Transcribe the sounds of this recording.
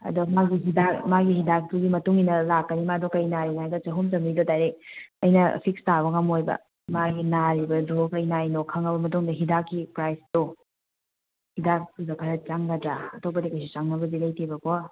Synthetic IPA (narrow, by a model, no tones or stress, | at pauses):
ɐ̰domaɡiɦidakmaɡihidak̚tuɡimɐtuŋinɐlakːɐnimadɔkɐjnaɾinaajdɐt͡ʃɐɦumt͡ʃɐmɾidotajɾeɐjnɐ̰pʰikstaβɐŋɐmojbɐ̰ | maɡinaɾibɐdokɐjnajnokʰɐŋɐbɐmɐtuŋdɐɦidakːipɾajsdo | hidak̚tudɐpʰɐɾɐt̚t͡ʃaŋɡɐdɾaɐtop̬ɐdikɐjsit͡ʃaŋnɐbɐzilɐjtʰibɐko